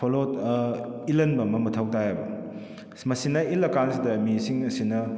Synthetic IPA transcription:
olotɐilɐnbɐmɐmɐtʰawtajabɐ̰ | mɐsinɐilɐkansidɐmisiŋɐsinɐ

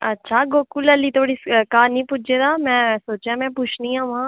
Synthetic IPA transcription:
ɐtːʃʰaːɡoːkuləlit̪ʰoːɽiskaːnĩːpʊd͡ʒed̪aːmɛ̃ːsoːt͡ʃjãmɛ̃ːpʊt͡ʃʰnĩãːʋɦãː

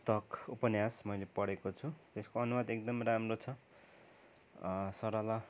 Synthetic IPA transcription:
t̪ʌkupʌnjasmʌjlepʌɽekot͡sʰut̪eskoʌnumʌd̪ek̚d̪ʌmramrot͡sʰʌ | sʌɾala

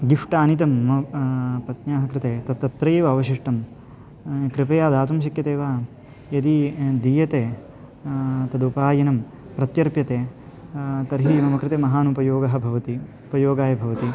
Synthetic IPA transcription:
ɡifʈaːnit̪̬ɐmːɐpɐt̪ɲaːɦɐkɾɪt̪eːt̪ɐt̪ːɐt̪ɾɐjeːʋɐːʋɐʃiʂʈɐm | kɾɪpɐjaːd̪aːt̪umʃ̬ɐkjɐt̪eːʋaː | jɐd̪id̪iːjɐt̪eː | t̪ɐd̪upaːjɐnɐm | pɾɐt̪jɐɾpjɐt̪eː | t̪ɐɾɦimɐmɐkɾɪt̪eːmɐɦaːnupɐjoːɡɐɦɐ̆bʱɐʋɐt̪i | upɐjoːɡaːjɐbʱɐʋɐt̪i

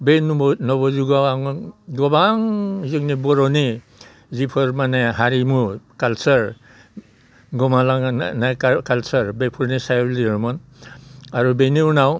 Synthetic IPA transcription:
benubnɔbɔzuɡawaŋɡɔbaŋzɯknibɔɾɔni | zipʰɔɾmaneɦaɾimukalsɔɾ | ɡɔmalaŋnajkkalsɔɾbepʰuɾnisajliɾmɔn | aɾubeninaw

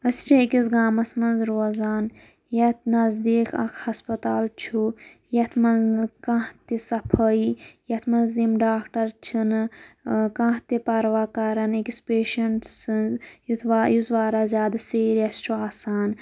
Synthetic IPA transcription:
ɐst͡ʃʰekisɡaːmɐsmɐnzɾoːzaːn | jɐt̪nɐzd̪iːkɐ̰kʰhɐspɐt̪aːlt͡ʃʰu | jɐt̪ʰmɐnzkãht̪isɐpʰəijɐt̪ʰmɐnzd̪imɖaːkʈɐɾt͡ʃʰin | kãːht̪ipɐɾʋaːkaɾɐnikispeːʃɐɳʈsɨnzjut̪ʰʋaːjuzʋaːɾaːzʲjaːd̪seːɾɐsʈuaːsaːn

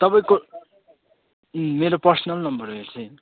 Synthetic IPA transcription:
t̪ʌpʌĩko | meɾopʌrsʌnʌlnʌmbʌɾeɾt͡sʰe

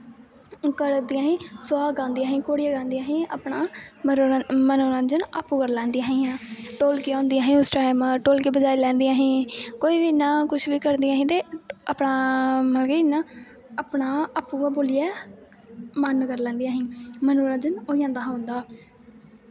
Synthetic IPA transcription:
kəɾd̪iːãːɦĩːsʊwaːɡãːnd̪iːaːɦĩːkoːɽiːaɡãːnd̪ijãːɦĩːa̰ːpɳaː | mənoːɾãːd͡ʒənaːpːũːkəɾlɛ̃ːnd̪iːãːɦĩːãːʈoːlkiːãːnd̪ijãːɦĩːʊsʈɾaːɪməɾʈoːlkiːbəd͡ʒaːiːlɛ̃ːnd̪iãːɦĩːkoːiːʋiːnãːkʊt͡ʃʰʋiːkəɾd̪iãːɦĩːt̪eːaːpɳaːməlɡenãː | aːpɳaːaːpũːɡaːboːlɪjɛː | mənːkəɾlɛ̃ːnd̪ijãːɦĩːmənoːɾãːd͡ʒənoːijãːnd̪aːɦãːʊnd̪aː

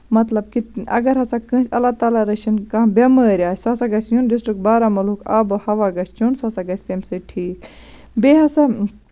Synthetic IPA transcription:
mɐt̪lɐb̚kiɐ̰ɡɐɾɦɐsakɨ̃ːsʲɐlːaːt̪aːlaɾɐʃɐnkɐbʲɐmɐːɾʲaːsɐsaɡɐsjunɖisʈɾɨkbaːɾamɐlukaːbohɐʋaːɡɐsʰt͡ʃʰunsɐsaɡɐsʰʲt̪ɐmsɨʈʰiːk | beːɦɐsa

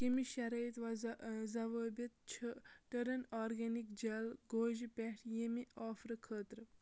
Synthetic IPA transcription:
kimiʃɐɾɐjt̪ʋɐzɐʋəːbʲit̪̚t͡ʃʰʈəɾɐnaːɾɡɐnikd͡ʒɐlɡoːʒipɛʈʰjemiaːfɾɨkʰəːt̪ɾɨ

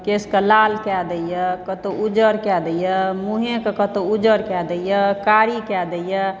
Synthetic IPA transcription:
keskəlalkɛd̪əjəkət̪oʔud͡ʒəɾkɛd̪əjəmuɦẽkekət̪oud͡ʒəɾkɛd̪əjəkaɾikɛd̪əjə

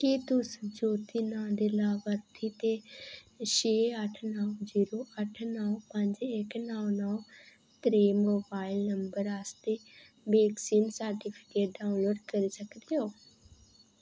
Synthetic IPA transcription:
kit̪ʊsd͡ʒoːt̪iːnãːd̪eːlaːʋəɾt̪ʰiːt̪eː | ʃeːəʈʰnəːziːɾoːʔəʈʰnəːpəɲd͡ʒɪknaːnəː | t̪ɾeːmoːbaːilnəmbəɾaːst̪eː | beːksiːnsaɾʈiːpʰɪ̥keːʈ̚ɖaːʊ̃nloːɖkəɾiːsəkd̪eːɦoː

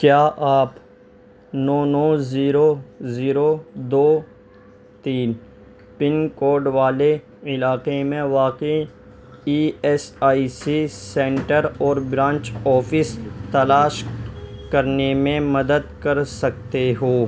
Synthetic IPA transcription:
kjaːʔaːp | nɔːnɔːziːɾoziːɾod̪oː | t̪iːn | pɪnkoːɾɖʋaːle | ɪlaːqemẽʋaːqi | iːɛsaːisisɛ̃ːɳʈəɾɔːɾbɾãːɲt͡ʃɔːpʰɪst̪ɐlaːʃkɐɾnemẽmɐd̪əd̪kɐɾsɐk̚t̪eɦoː

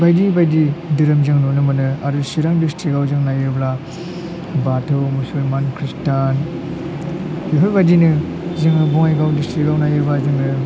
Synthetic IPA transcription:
bajdibajdidɯɾɯmzɯŋnunɯmɯnɯadusiɾaŋdistɾiɡawzɯŋnajɯɾbla | batʰɯwmusulmankʰɾistan | iɦojbajdinɯ | zɯŋnɯbɔŋajɡawdistɾiɡawnajɯɾbazɯŋnɯ

